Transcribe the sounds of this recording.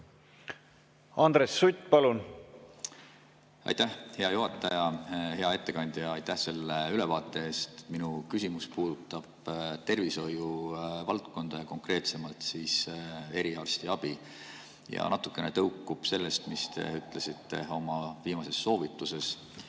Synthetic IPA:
ɑnd̪ɾesːut̪ʲːpɑlun | ɑ̰jt̪æhhe̞ɑjuɦɑt̪ːˑɑjɑhe̞ɑe̞t̪ːe̞kɑnʲd̪̥jɑɑjt̪æhse̞lːeyle̞vɑːt̪ˑːe̞eːst̪e̥minukysimuspuːd̪̥ut̪ːˑɑb̥t̪e̞rviso̞juvɑlt̪ko̞nd̪̥ɑjɑko̞ŋkre̞ːt̪se̞mɑlt̪siːse̞ɾiɑrst̪iɑb̥i | jɑ̰nɑt̪ːˑukːˑe̞net̪ɤwkːˑub̥se̞lːe̞st̪mist̪e̞̰yt̪ˑlesit̪ːe̞̰o̞mɑviːmɑse̞sːo̞ːvit̪ːˑuse̞s

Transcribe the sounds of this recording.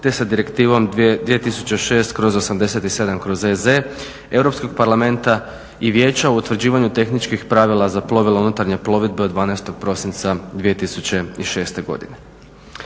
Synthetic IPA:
t̪esad̪iɾe̞kt̪iːʋo̞md̪ʋije̞t̪isu̥t͡ɕe̞ʃe̞ːst̪kɾo̞zo̞samd̪e̞se̞t̪ise̞d̪amkɾo̞zeze | e̞wɾo̞psko̞ɡ̚paɾlˠame̞nt̪a | iʋje̞ːt͡ɕaout̪ʋɾ̩d͡ʑiːʋaɲut̪e̞xnit͡ʃkixpɾaʋilˠazaplˠo̞ʋileunut̪aɾɲe̞plˠo̞ʋid̪̚beod̪ʋaːnajst̪o̞ɡ̥̚pɾo̞sint̪sad̪ʋije̞t̪isut͡ɕe̞iʃe̞ːst̪e̞ɡo̞̰d̪ḭne

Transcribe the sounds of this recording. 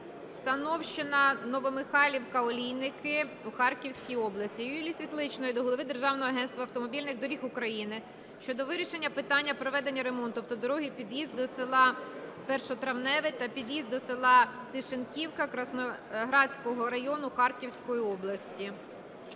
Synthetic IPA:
sɐnɔwʃt͡ʃɪnɐnɔʋɔmɪxɑlʲiwkɐɔlʲijnɪkɪ | uxɑrkʲiwsʲkʲijɔblˠɐsʲtʲijilʲisʲʋʲit̪lˠɪt͡ʃnɔjid̪ɔɦɔlˠɔʋɪd̪e̞rʒɑwnɔɦɔɐɦɛnst̪ʋɐwt̪ɔmɔbʲilʲnɪɣd̪ɔɾʲixʊkɾɐjinɪ | ʃt͡ʃɔd̪ɔʋɪɾʲiʃe̞nʲːɐpɪt̪ɑnʲːɐpɾɔʋɛd̪e̞nʲːɐɾe̞mɔnt̪ʊwt̪ɔd̪ɔɾɔɦʲipʲid̪jizd̪ɔsɪlˠɑpɛrʃɔɔt̪ɾɐwnɛʋɪt̪ɐpʲid̪jizd̪ɔsɪlˠɑt̪ɪʃenkʲiwkɐkɾɐsnɔɦɾɑt͡sʲkɔɦɔɾɐjɔnʊxɑrkʲiwsʲkɔjiɔblˠɐsʲtʲi

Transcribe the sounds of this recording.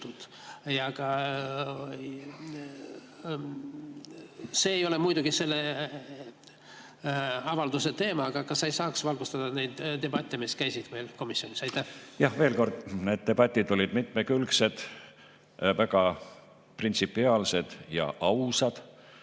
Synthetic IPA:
t̪ud̪̥ | jɑɡ̥ɑ | se̞ːjo̞le̞mujd̪uɡ̥ise̞lːe | ɑvɑld̪uset̪e̞ːmɑɡ̥ɑkɑsɑejsɑːksvɑlɡ̥ust̪ɑd̪̥ɑne̞jd̪̥d̪e̞bɑt̪ʲːˑemiskæjsid̪̥me̞jlko̞misjo̞nisɑjt̪ːæhjɑhve̞ːlko̞rd̪̥ne̞ːd̪̚t̪e̞b̥ɑt̪ʲːˑid̪o̞lʲid̪̥mit̪mekylkse̞d̪̥ | væɡ̥ɑ | print̪sipːˑiɑːlse̞d̪̥jɑ̰ʔɑwsɑd̪̥

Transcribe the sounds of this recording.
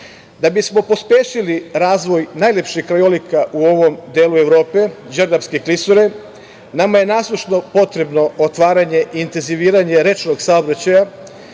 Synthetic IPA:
d̪abismo̞po̞spjeːʃiliɾaːzʋo̞jnaːjlʲe̞pʃihkɾajolikaʔuo̞ʋo̞md̪eːlue̞ʋɾo̞ːpe̞d͡ʒeɾd̪aʋskeklisoɾe | namaje̞naːslˠuʃno̞po̞t̪ɾe̞bno̞ot̪ʋaːɾaɲe̞ʔiːnt̪e̞nziʋiːɾaɲe̞ɾe̞t͡ʃno̞ɡsaobɾat͡ɕaja

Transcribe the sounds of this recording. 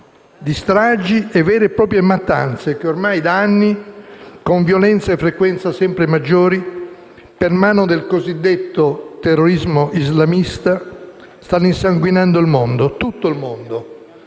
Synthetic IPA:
d̪ist̪ɾad͡ʒiɛvːɛːɾepɾɔːpɾjemat̪ːa̰nt̪sekeormajd̪aanːikoɱvjolɛnt̪saefɾekwɛnt̪sasɛmpɾemad͡ʒːoːɾi | permaːnod̪elkozid̪ːet̪ːot̪erːoɾizmoʔizlamist̪a | st̪anːinsaŋɡwinand̪oilmond̪ot̪ut̪ːoilmond̪o

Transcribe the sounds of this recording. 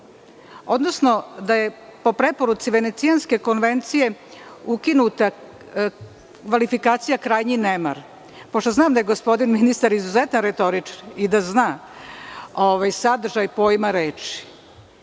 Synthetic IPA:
o̞d̪no̞sno̞d̪aje̞po̞pɾepo̞ɾut̪siʋene̞t̪sijanske̞ko̞nʋe̞nt̪sijeukinut̪a | kʋalifikaːt̪sijakɾaːjɲinema̰ɾ | poʃt̪oznaːmd̪aje̞ɡo̞spo̞d̪inminist̪aɾizuzet̪nanɾet̪o̞ɾit͡ʂanid̪aznaː | oʋajsad̪r̩ʒajpo̞jmaɾeːt͡ʃi̥

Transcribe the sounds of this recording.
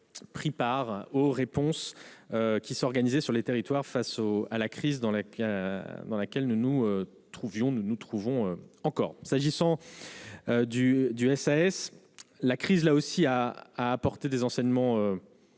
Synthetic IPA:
pχipaʁoʁepɔ̃søkʲisɔʁɡanizesyʁlet̪eʁit̪waʁfasoalakχizd̪ɑ̃la | d̪ɑ̃lakʲɛlnunuø | t̪χuvjɔ̃nunut̪χuvɔ̃øɑ̃kɔ̰ːʁsaʒisɑ̃ | ød̪yd̪yɛsaɛs | lakχizlaosiaaːpɔʁt̪ed̪ezɑ̃sɛɲmɑ̃ø

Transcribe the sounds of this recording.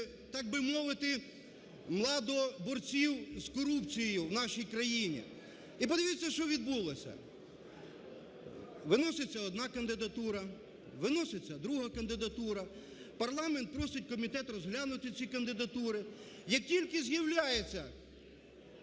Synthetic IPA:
t̪ɑɡ̚bɪmɔʋɪt̪ɪ | mlˠɑd̪ɔbɔrt͡sʲiwzkɔɾupt͡sʲijjʊwnɑʃijkɾɐjinʲḭ | ipɔd̪ɪʋʲit͡sʲːɐʃt͡ʃɔʋʲid̪̚bulˠɔsʲɐ̰ | ʋɪnɔsɪt͡sʲːɐɔd̪nɑkɐnd̪ɪd̪ɐt̪uɾɐ | ʋɪnɔsɪt͡sʲːɐd̪ɾuɦɐkɐnd̪ɪd̪ɐt̪uɾɐ | pɐrlˠɑment̪̚pɾɔsɪt̚ʲkɔmʲit̪ɛt̪rɔzɦlʲanʊt̪ɪt͡sʲikɐnd̪ɪd̪ɐt̪uɾɪ | jɐk̚tʲilʲkɪzjɐwlʲajet͡sʲːɐ

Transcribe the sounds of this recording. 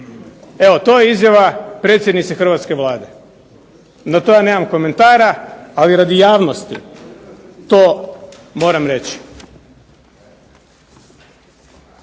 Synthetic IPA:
e̞ʋot̪o̞ːjeizjaʋapɾeːt̪sjed̪nit̪sexr̩ʋat̪ske̞ʋlˠaːd̪e̞ | nat̪o̞jane̞ːmamko̞me̞nt̪aːɾaaliɾad̪ijaːʋnost̪ḭ | t̪oː | mo̞ːɾamɾe̞t͡ɕi̥

